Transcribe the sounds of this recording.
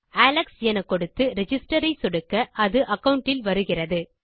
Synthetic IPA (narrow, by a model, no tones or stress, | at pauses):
aːlɐksjɛnɐkːɔɽɯt̪ːɯɾɛd͡ʒɪsʈɐɾɐɪsɔɽɯkːɐʔɐðɯʔɐkːɐʊɳʈːɪlʋɐɾɯɣɪrɐðɯ